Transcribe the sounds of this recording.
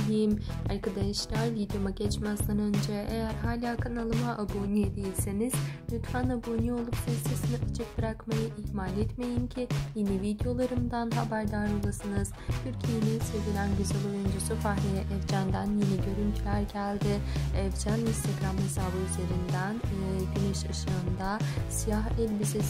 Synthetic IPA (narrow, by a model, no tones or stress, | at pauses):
lʲijimaɾkad̪ajiʃlʲaɾvid̪jo̞maɟɛt͡ʃmazd̪anø̞nd͡ʒɛejæɾɦaːlʲaːkʰɯnalˠɯmaʔabo̞nied̪ejilʲse̞niz̥lʲyt̪fanabo̞nio̞lˠupsaisɯsɯnɯfɯ̥t͡ʃʰɯk̚bɯɾakmajɯʔihmaːlʲɛt̪me̞jimcʰijenivid̪jo̞lˠaɾɯmd̪anɦabæɾd̪aɾolˠasɯnɯz̥t̪ʰyɾcʰije̞ninse̞vilʲænɟyzɛlʲˠo̞jund͡ʒusufaɦlʲejɛʔɛvd͡ʒænd̪anjeniɟø̞ɾynt̪ʰylʲæɾɟælʲd̪ɪɛvd͡ʒæninst̪ʰeɡɾamhesaːbɯyze̞ɾind̪æn | d̪eniʃaʃɯɯnd̪asijaɦɛlʲbisi